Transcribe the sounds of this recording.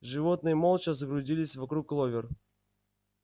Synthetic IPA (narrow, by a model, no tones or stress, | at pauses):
ʐɨvot̪nɨjəmolˠt͡ɕəzəɡɾʊzʲilʲɪsʲvɐkɾuklˠovʲɪr